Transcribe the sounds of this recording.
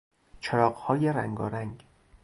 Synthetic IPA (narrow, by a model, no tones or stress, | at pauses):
t͡ʃʰeɾɒːɢhɒːjeɾæŋɡɒ̰ːɾæŋɡ